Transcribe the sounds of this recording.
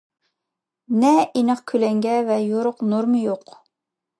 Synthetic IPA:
nɛinəqkʲʰylɛŋɡʲɛvɛjoɾʊqnuɾmjoq

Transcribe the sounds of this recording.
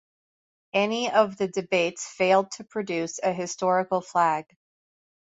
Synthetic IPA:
ɛniʌvðɨdɨbeɪtsfeɪlˠd̚tʰɨpʰɹ̥ɨdʉsɨɦɨstɔɹɨkl̩ˠflæɡ̥

